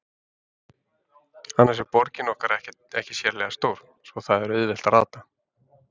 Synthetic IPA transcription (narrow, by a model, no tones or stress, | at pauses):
anːasɛɾpɔɾcɪnɔhkaɾɛhcɛɛhcɪ̥sjɛɾlɛɣast̪owɾ̥ | svɔθaðɛɾʏðvɪl̥t̪ara̰ːðt̪a